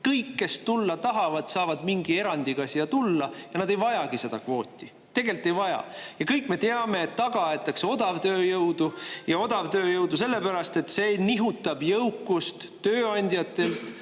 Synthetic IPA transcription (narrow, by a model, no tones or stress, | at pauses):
kɤjkːe̞st̪ulːɑt̪ɑɦɑvɑd̪̥sɑːvɑd̪̥miŋɡ̥ie̞ɾɑnd̪̥ikɑsiɑt̪ulːɑjɑnɑd̪e̞jvɑjɑɡ̥ise̞d̪ɑkvo̞ːt̪ʲːˑi | t̪e̞ɡe̞lt̪ˑːe̞jvɑjɑ̰jɑkɤjkːme̞t̪eɑme̞ːt̪ːɑɡɑet̪ːˑɑkseo̞d̪̥ɑvt̪øːjɤwd̪ujɑo̞d̪ɑvt̪øːjɤwd̪̥us̬e̞lːepæɾɑst̪e̞t̪ːse̞niɦut̪ːˑɑbjɤwkːust̪ːøːɑnʲd̪ʲjɑt̪ːˑe̞lt̪